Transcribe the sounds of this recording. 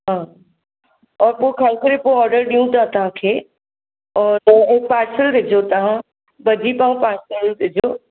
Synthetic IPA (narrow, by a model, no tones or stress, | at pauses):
ɦãː | ɔːɾpoːɪkʰaːlkɐɾepoɔːɾɖəɾɗiũt̪ɐɦãt̪ɐɦãkʰeː | ɔːɾɐ̃ɪk̚paːɾsəlɾɪd͡ʑot̪ɐʋ̤ã | bɐd̪ʱipãːpaːɾsəld̪ɪd͡ʑoː